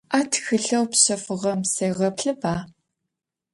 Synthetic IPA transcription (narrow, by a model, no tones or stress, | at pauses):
aːtʰxɨɮɐwpɕɐfɨʁɐmsejʁɐpɬɨbaː